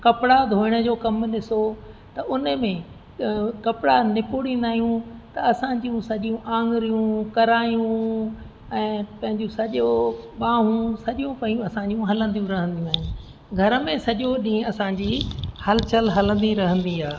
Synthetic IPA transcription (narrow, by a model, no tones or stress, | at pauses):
kɐpɪɽad̪ʱoːɪɽ̃ə̆d͡ʑoːkɐmɗɪsot̪ɐʔʊnəmẽ | kɐpɪɽanɪpuɽĩːn̆d̪aːɦijũt̪ɐɐsãɲd͡ʑijũsɐʄijũʔãːŋɡɾijũkɐɾaːjũ | ɛ̃ːpɐ̃ɦɪ̃ɲd͡ʑũsɐʄoɓãːɦũsɐʄjũpɐ̃iũɐsãːɲd͡ʑijũɦɐlə̃nd̪ijũɾɐɦə̃nd̪ijũaːɦɪnɪ̆ | ɡʱɐɾəmẽsɐʄoɗĩːɐsãd͡ʑiːhɐlt͡ɕəlɦɐlə̃nd̪iɾɐɦə̃nd̪iaː